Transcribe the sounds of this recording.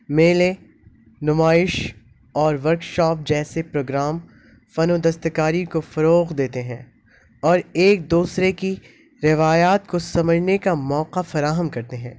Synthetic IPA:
meːlẽ | nʊmaːɪʃ | ɔːɾʋɐɾkʃɔːp̚d͡ʒɛːsepɾoːɡɾaːm | fɐnod̪ɐst̪əkaːɾikofɐɾoːɣd̪eːt̪eɦɛ̃ː | ɔːɾeːk̚d̪uːsɾeki | ɾɪʋaːjaːt̪kosɐməd͡ʒnekamɔːqafɐɾaːɦəmkɐɾt̪eɦɛ̃ː

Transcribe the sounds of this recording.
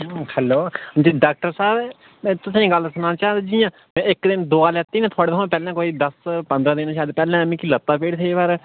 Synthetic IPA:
hɛloːd͡ʒiːɖaːk̚ʈəɾsaːb | mɛ̃ːt̪ʊsĩɡəlsənãːt͡ʃaːd͡ʒijãː | mɛ̃ːɪkd̪ɪnd̪oːaːlɛːt̪ːiːnẽːt̪ʰʊaːɽeːt̪ʰõːpɛːlãːkoːiːd̪əspə̃nd̪ɾãːd̪ɪnːʃaːd̪pɛːlãːmĩːkilət̪ːaːpeːɽt̪ʰeːpəɾ

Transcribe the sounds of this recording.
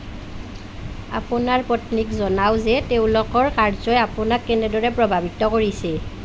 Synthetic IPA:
a̰pʊnaɹpɔtnikzɔnawzɛteʊ̃lɔkɔɹkaɹzɔjapʊnakːɛnɛdɔɹɛpɹɔbʱabitɔkoɹisɛ

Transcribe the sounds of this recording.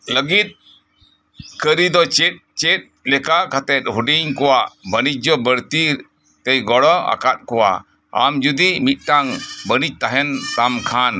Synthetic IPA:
ləɡit̪̚ | kəɾid̪ɔt͡ʃɛt̪̚t͡ʃɛt̪̚lɛkakʰat̪ɛt̪̚ˀɦuɖiɲkɔwaʔbənic̚d͡ʒɔbəɽt̪i | t̪ɛjɡɔɽɔa̰kat̪̚kɔwa̰ | a̰md͡ʒud̪imit̪̚ˀʈaŋbənic̚t̪aɦɛnt̪amkʰan

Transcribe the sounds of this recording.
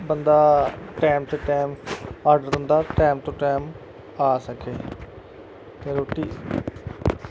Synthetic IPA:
bənd̪aːʈeːmt̪eːʈeːmaːɾɖəɾt̪ənd̪aːʈeːmt̪õːʈeːm | aːsəkʰeː | t̪eːɾoːʈiː

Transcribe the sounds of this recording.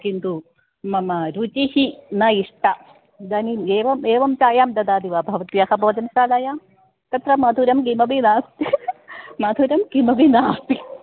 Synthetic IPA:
tind̪u | mɐmɐɾut͡ʃihinɐiʂʈɐ | d̪ɐnimeːʋɐmeːʋɐmt͡ʃaːjaːmd̪ɐd̪aːd̪iʋaːbʱɐʋɐt̪jɐhɐboːd̪ɐnʃaːlɐjaː | t̪ɐt̪ɾɐmɐd̪ʱuɾɐmɡimɐbinaːst̪i | mɐd̪ʱuɾɐmɡimɐbinaːst̪i

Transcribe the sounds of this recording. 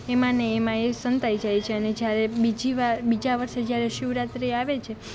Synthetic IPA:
emãneːmãesənt̪ajd͡ʒajt͡ʃʰeəned͡ʒjaɾebid͡ʒiʋaɾbid͡ʒaʋəɾʃed͡ʒjaɾeʃiwɾat̪ɾiaʋet͡ʃʰe

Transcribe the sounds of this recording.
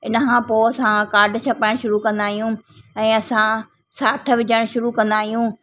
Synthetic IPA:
ɪnəkʰãːpoːɐsãkaːɾɖt͡ɕʰɐpaɪɽ̃ʃʊɾukɐ̃nd̪aːɦijũɛ̃ːɐsã | saːʈʰəʋɪd͡ʑəɽ̃ʃʊɾukɐ̃nd̪aːɦijũː

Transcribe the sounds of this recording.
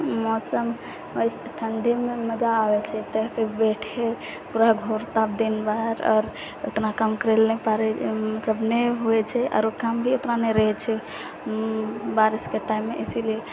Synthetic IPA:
mɔsəm | osʈ̪ʰənd̪ʱimeməd͡ʒaːʋɛt͡ʃʰɛt̪əɦkebeʈʰe | puɾaɡʱoɾt̪ab̚d̪inbaɾɔ̰ːɾ | o̰t̪ɾakamkəɾelnɛpaɾɛmət̪ləbneɦuɛt͡ʃʰɛʔɔ̰ːɾokambʱiot̪ɾanɛɾəɦɛt͡ʃʰɛ | baɾiskeʈaimːeʔesilie

